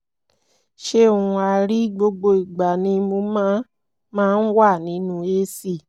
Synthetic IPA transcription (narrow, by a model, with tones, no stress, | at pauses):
ʃe˧˦o˨ũ˧a˧ɾi˦ɡ͡bo˧ɡ͡bo˧i˨ɡ͡ba˨nĩ˧mo˧mãː˦ | mãː˦˧n̩˦wa˦˨nĩ˨˦nũ˧˦e˧˦si˦˨